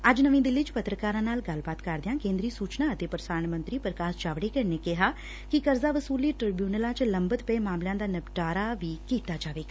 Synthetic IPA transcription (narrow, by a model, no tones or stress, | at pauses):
əd͡ʒnəʋĩd̪ɪlːiːt͡ʃpət̪ɾəkaːɾãːnaːlɡɐlbaːt̪kəɾd̪ɪjãːkẽːnd̪ɾiːsuːt͡ʃnaːət̪eːpɾəsaːnmə̃nt̪ɾiːpɾəkaːst͡ʃaːʋɽeːkəɾneːkɪɦaː | kikəɾzaːʋəsuːliːʈɾɪbjuːnəlãːt͡ʃləmbət̪pɛemaːmlãːd̪aːnəpʈaːɾaːʋiːkiːt̪aːd͡ʒaːʋeːɡa